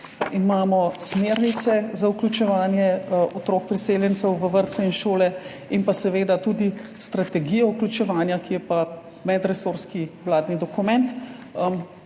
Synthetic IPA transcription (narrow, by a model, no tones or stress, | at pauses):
imaːmɔsmeːɾnit̪sɛzauklʲut͡ʃɛʋaːnjɛɔt̪ɾok̚pɾiseːljɛnt̪sɛwʋəʋəɾt̪sɛinʃoːlɛ | inpasɛʋeːd̪at̪ud̪ist̪ɾat̪ɛɡiːjɔuklʲut͡ʃɛʋaːnjakijɛpa | mɛd̪ɾɛsoːɾskiwlaːd̪nid̪ɔkumɛnt̪